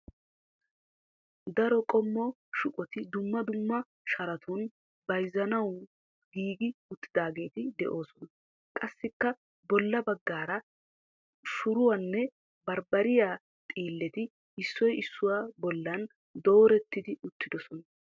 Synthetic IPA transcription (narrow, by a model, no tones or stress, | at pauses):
d̪ɐɾɔkʼɔmːɔ | ʃʊkʼɔt̪ɪd̪ʊmːɐd̪ʊmːɐ | ʃɐɾɐt̪ʰʊn | bɐjzɐnɐw | ɡiːɡɪʊt̪ːɪd̪aːɡe̞ːt̪ɪd̪ɛʔo̞ːsɔnɐ | kʼɐsːɪkːɐ | bɔlːɐbɐɡːaːɾɐ | ʃʊɾʊwɐnːɛ | bɐɾbɐɾɪjaː | t̪ʼiːlːɛt̪ɪ | ɪsːɔjɪsːʊwabɔlːɐn | d̪o̞ːɾɛt̪ːɪd̪ɪʊt̪ːɪd̪ɔsɔnɐ